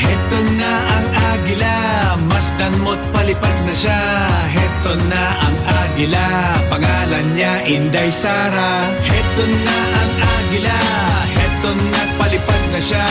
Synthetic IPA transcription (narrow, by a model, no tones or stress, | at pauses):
hɛt̪onːaʔɐŋʔaːɡɪla | mɐsd̪ɐnmot̪̚pɐlɪpad̪̚nɐʃa | ɦɛt̪onːaʔɐŋʔaːɡɪla | pɐŋaːlɐnɲaʔɪnd̪ɐjsaːɾa | hɛt̪onːaʔɐŋʔaːɡɪla | hɛnt̪onːɐpɐlɪpad̪̚nɐʃa